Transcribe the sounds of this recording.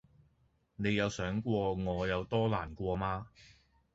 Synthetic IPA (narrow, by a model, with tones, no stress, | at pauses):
ne˨˧jɐ˨˧wsœː˨˥ŋkʷɔː˧ŋɔː˨˧jɐ˨˧wt̪ɔː˥laː˨˩nkʷɔː˧maː˥